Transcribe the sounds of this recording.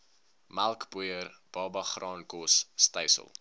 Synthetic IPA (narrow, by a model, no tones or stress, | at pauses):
mælˠkbujərb̥ɑːbɐχrɑːnkɔsːtəjsə̰lˠ